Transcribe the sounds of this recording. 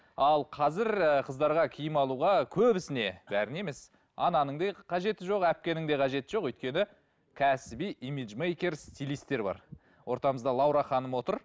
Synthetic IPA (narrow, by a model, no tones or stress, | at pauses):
ɑlˠqʰɑzɪɾqʰəzd̪ɑɾʁɑkʲʰijɪmɑlˠuʁɑkʲʰɵbɪsɪne̞bæɾɪne̞me̞s | ɑnɑnəɴd̪eqʰɑʒe̞t̪ɪʒo̞qæp̚kʲe̞nɪŋd̪e̞qʰɑʒe̞t̪ɪʒo̞qwɵjt̪̚kʲe̞nɪ | kʲʰæsɪbijʔimiʒmejkʲe̞ɾst̪ʲilist̪ːe̞ɾbɑ̰ɾ | wo̞ɾt̪ɑməzd̪ɑlˠɑwɾɑχɑnəmwo̞t̪əɾ